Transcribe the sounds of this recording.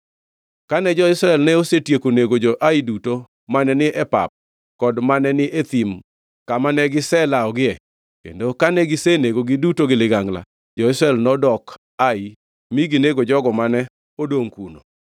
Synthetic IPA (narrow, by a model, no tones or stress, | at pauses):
kanɛd͡ʒɔɪsɾɛlnɛosetjekoneɡod͡ʒɔʔaiduto | manɛnɪʔɛpa̰p̚ | kɔdmanɛnɪʔet̪im | kamanɛɡɪsɛlaɔɡɪɛ | kḛndokanɛɡɪseneɡoɡɪdutoɡɪlɪɡaŋla̰ | d͡ʒɔɪsɾɛlnɔdɔk | ai | miɡineɡod͡ʒɔɡɔmanɛ | odoŋkuno̰